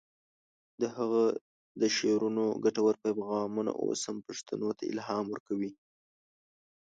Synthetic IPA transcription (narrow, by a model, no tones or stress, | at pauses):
d̪əhaɣa | d̪əʃeɾunoɡaʈawaɾpapɣɑmuna̰ʔo̰shampaʂt̪anot̪ʰaɪ̰lɦɑmwəɾkawi